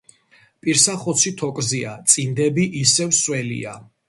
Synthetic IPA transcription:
pʼiɾsaχɔt̪sʰit̪ʰɔkʼziat̪sʼind̪ɛbiʔisɛvswɛlḭa̰

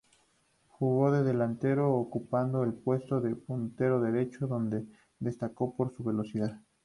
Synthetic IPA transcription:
xuɣo̞ðe̞ðe̞lant̪e̞ɾo̞ːkupand̪oelpwe̞st̪o̞ðepunt̪e̞ɾo̞ðe̞ɾe̞t͡ʃoðo̞nd̪e̞ | ðe̞st̪ako̞po̞ɾsuβe̞lo̞siðað

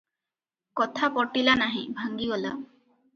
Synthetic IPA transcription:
kɔt̪ʰapɔʈilanaɦĩbʱaŋɡiɔla̰

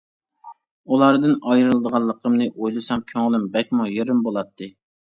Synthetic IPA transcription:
ulˠɑɾd̪ɨnɑjɾɨlˠɨd̪əʁɑlˠːəqʰəmnɨʔojlˠɨsɑmkʲʰøŋlˠɪmbɛk̚ʲmujeɾɪmbolˠɑt̪ʰːɨ

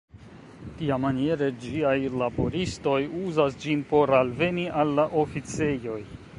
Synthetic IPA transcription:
tiamanie̞ɾe̞d͡ʒiajlabo̞ɾisto̞juzasd͡ʒinpo̞ɾalve̞niʔalːaʔo̞fit͡se̞jo̞j

